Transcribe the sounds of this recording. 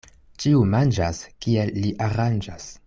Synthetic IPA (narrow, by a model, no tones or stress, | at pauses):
t͡ʃiumand͡ʒaskie̞lːiʔaɾand͡ʒas